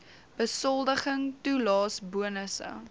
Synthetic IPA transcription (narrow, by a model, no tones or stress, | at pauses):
b̥əsɔlˠdəχəŋtulɑːsbuənəsə̰